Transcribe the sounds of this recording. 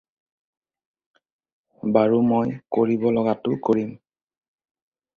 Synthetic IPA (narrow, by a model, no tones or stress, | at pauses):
baɹumojkoɹibɔlɔɡatʊkoɹim